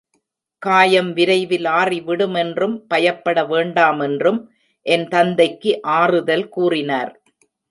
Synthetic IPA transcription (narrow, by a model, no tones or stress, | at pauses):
kaːjɐmʋɪɾɐɪʋɪlaːriʋɪɽɯmɛndrɯmpɐjɐpːɐɽɐʋeːɳɖaːmɛndrɯm | ʔɛnt̪ɐnd̪ɐɪkːɯʔaːrɯðɐlkuːrɪnaːɾ